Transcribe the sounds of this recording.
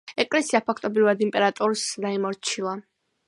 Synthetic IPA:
ɛkʼlɛsiapʰakʰt̪ʼɔbɾivad̪impʼɛɾat̪ʼɔɾsd̪aimɔɾt͡ʃʰilˠa

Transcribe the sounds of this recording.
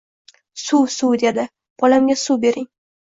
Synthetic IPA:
susud̪ed̪ɪ | b̥ɒlamɡʲasube̞ɾɪŋ

